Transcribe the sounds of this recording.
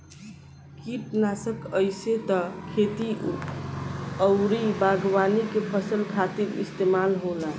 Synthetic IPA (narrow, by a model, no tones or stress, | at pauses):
kiʈnasəkəjset̪əkʰet̪i | əʊɾibaɡwanikepʰəsəlkʰat̪iɾḭst̪emalɦola